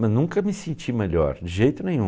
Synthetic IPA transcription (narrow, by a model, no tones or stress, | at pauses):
mɐznũkɐmɪsẽnt͡ʃimeʎɔ̰ɾd͡ʒɪʒejt̪ʊnẽj̃ũ